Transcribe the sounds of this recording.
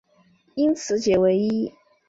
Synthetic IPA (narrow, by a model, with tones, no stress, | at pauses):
i˥nt͡sʰɹ̩˧˥t͡ɕjɛ˨˩we˧˥ɪi˥